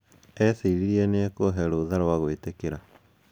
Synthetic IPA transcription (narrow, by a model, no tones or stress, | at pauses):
ɛsiɾiɾiɛneɛkooɦɛɾoðaɾwaɣoitekeɾa